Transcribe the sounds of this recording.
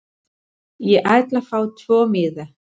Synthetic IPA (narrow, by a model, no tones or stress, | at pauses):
jɛʔaːjt̪lafaːwt̪ʰvɔːmɪːða